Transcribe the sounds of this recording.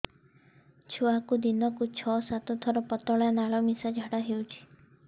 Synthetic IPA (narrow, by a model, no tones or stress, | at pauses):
t͡ʃʰuakud̪inɔkut͡ʃʰɔsat̪ɔt̪ʰɔɾɔpɔt̪ɔɭanaɭɔmisad͡ʒʱaɽaɦewt͡ʃʰi̥